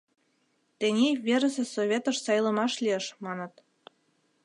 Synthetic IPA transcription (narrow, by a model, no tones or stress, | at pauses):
t̪enʲeβʲeɾə̆sĕsoβʲet̪ə̆ʃsɑjlə̆mɑʃlʲieʃmɑnə̆t̪